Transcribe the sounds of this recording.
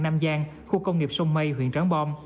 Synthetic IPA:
naː˧mzaː˧ŋ | xu˧kə˧wŋ͡mŋi˨˩p̚so˧wŋ͡mmə˧jɦwḭ˧˨ənt͡ɕaː˨˦ŋɓɔ˧m

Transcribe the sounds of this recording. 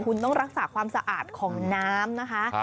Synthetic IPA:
kʰu˧nt̪ɔ˥˩ŋɾa˦˥k̚saː˩˦kʰwaː˧msa˧ʔaː˨˩t̪̚kʰɔː˩˦ŋnaː˦˥mna˦˥kʰa˦˥

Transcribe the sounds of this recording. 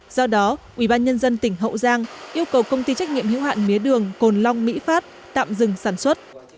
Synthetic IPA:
zɔ˧ɗɔ˨˦ʔwi˧˩ɓaː˧nɲə˧nzə˧nt̪ï˧˩ŋ̟ɦə̰˧˨wzaː˧ŋʔi˧əwkə˨˩wkə˧wŋ͡mt̪i˧t͡ɕa˦˥jk̚ɲḭ˧˨əmhḭ˧˥wɦa̰ː˧˨nmi˨˦əɗɨ˨˩əŋko˨˩nla˧wŋ͡mmḭ˧˥faː˦˥t̚ | t̪a̰ː˧˨mzɨ˨˩ŋsaː˧˩nswə˦˥t̚

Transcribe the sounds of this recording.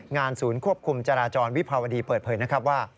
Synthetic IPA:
ŋaː˧nsuː˩˦nkʰu˥˩əp̚kʰu˧mt͡ɕaː˧ɾaː˧t͡ɕɔː˧nwi˦˥pʰɾa˧wa˧diː˧pɤː˨˩t̪̚pʰɤː˩˦jna˦˥kʰɾa˦˥p̬̚waː˥˩

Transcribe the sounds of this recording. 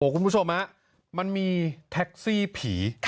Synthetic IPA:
oː˩˦ku˧nmʰpu˦˥t͡ɕʰo˧mha˦˥ʔ | ma˧nmiː˧t̪ʰɛ˦˥k̚siː˥˩pʰiː˩˦

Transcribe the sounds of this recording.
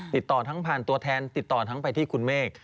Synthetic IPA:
t̪i˨˩t̪ːɔː˨˩t̪ʰa˦˥ŋpʰaː˨˩nt̪u˧ɐt̪ʰɛː˧nt̪i˨˩t̪ːɔː˨˩t̪ʰa˦˥ŋpa˧jt̪ʰiː˥˩kʰu˧nmeː˥˩k̚

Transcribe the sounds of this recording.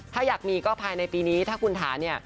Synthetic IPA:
t̪ʰaː˥˩jaː˨˩k̚miː˧kɔː˥˩pʰaː˧jna˧jpiː˧niː˦˥t̪ʰaː˥˩kʰu˧nt̪ʰaː˩˦ni˥˩ɐ

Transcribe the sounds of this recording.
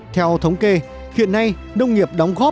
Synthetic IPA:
t̪ʰɛ˧wt̪ʰə˨˦wŋ͡mke˧ | xḭ˧˨ənːa˧j | nə˧wŋ͡mŋi˨˩əp̚ɗɔ˨˦wŋ͡mɣɔ˦˥

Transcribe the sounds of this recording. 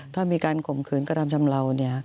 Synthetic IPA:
t̪ʰaː˥˩miː˧kaː˧nkʰo˨˩˦mkʰɯː˩˦nka˧˥˩t̪a˧mt͡ɕʰa˧mɾa˧wni˥˩ɐ

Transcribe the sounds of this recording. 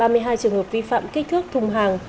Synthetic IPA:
ɓaː˧mɨ˧əjɦaː˧jt͡ɕɨ˨˩əŋhəː˨˩p̚vi˧fa̰ː˧˨mka˦˥k̟̚t̪ʰɨ˦˥ək̚t̪ʰʊ˧ŋ͡mɦaː˨˩ŋ

